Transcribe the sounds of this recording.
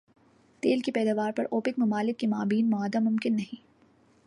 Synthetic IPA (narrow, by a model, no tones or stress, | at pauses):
t̪eːlkipɛːd̪aʋaːɾpɐɾʔoːpɪk̚mɐmaːlɪkːimaːbiːnmʊaːd̪amʊmkɪnːɐɦĩː